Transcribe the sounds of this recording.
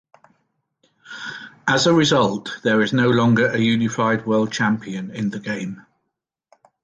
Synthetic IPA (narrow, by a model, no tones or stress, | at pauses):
əzəɹɪzʌlˠʔðəɹɪznəʊlɒ̃ŋɡəɹʔəjʉːnɪfaɪd̚wɛlˠt͡ʃʰãmpʰiə̃nɪ̃nðəɡẽɪ̃m